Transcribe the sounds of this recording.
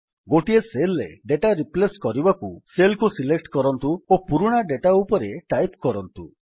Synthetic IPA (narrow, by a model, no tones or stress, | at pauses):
ɡoʈieselːḛɖeʈaɾipleskɔɾibakuselkusilek̚ʈkɔɾɔnt̪uopuɾuɽ̃aɖeʈaupɔɾeʈajpkɔɾɔnt̪u